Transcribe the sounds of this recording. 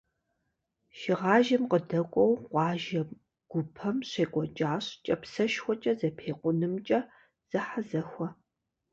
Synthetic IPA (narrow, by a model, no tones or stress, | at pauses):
ʃɪʁɑːʒɐmqədɐkʷʼɔwqʷɑːʒɐm | ɡ̥ʷʊpʰɐmɕeːkʷʼɔt͡ʃʼaːɕt͡ʃʼɐpsɐʃxʷɔt͡ʃʼɐzɐpʰeːqʷʊnɨmt͡ʃʼɐ | z̥ɐħazɐxʷɔ